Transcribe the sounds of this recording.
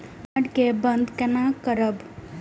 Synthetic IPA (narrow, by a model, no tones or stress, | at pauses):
ɐɽkebənd̪kɛnakəɾəb